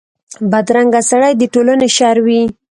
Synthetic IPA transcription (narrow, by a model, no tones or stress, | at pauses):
bad̪ɾaŋɡasaɽajd̪əʈolaneʃɑɾwi